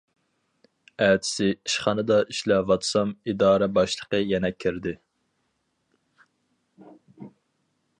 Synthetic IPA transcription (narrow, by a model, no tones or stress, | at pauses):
æːt̪ʰɪ̥sɪiʃχɑnɨd̪ɑiʃlɛvɑt̪sɑmid̪ɑːɾɛbɑʃlˠəqəjɛnɛkʲʰːiɾd̪ɪ